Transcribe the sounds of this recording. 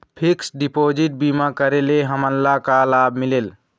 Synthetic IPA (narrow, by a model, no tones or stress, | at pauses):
pʰiksɖipod͡ʒiʈ̚bimakəɾeleɦəmənlakalabʱmilel